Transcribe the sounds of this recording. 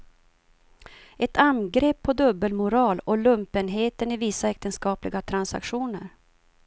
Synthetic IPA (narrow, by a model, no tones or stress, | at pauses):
ɛt̪anɡɾeːpʰːɔd̪ɵbːəlmʊɾɑːlɔlɵmpənɦeːt̪ənɪviːsaɛk̚t̪ənskɑːplɪɡat̪ʰɾansa̰kɧuːnəɾ